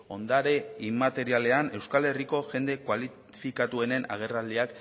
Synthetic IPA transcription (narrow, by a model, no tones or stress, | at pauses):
o̞nd̪aɾe̞imat̪e̞ɾiale̞ane̞wskale̞riko̞ʝe̞nd̪e̞kwali | fikat̪ue̞ne̞na̰ɣ̞e̞rald̪iak